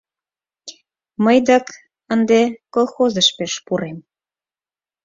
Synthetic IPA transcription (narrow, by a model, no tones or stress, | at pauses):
məjd̪ɑk | ənd̪ekolˠxozəʃpeʃpuɾem